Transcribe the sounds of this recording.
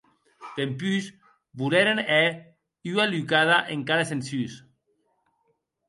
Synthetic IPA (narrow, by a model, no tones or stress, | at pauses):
t̪empys | βuleɾene | yalykaðaʔeŋkaðesensys